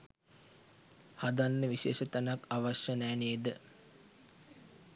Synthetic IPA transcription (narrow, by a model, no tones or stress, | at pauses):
had̪anːəʋiʃḛːʃət̪anakaʋaʃjənæːneːd̪ə